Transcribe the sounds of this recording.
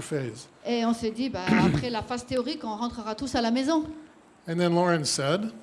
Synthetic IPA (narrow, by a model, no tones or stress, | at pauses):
feɪzeɔ̃sɛd̪ibaapχɛlafazt̪eɔʁikɔ̃ʁɑ̃t̪χəʁat̪usalamezɔ̃ | ɨ̃nðɨ̃nlɔɹɨ̃nsɛd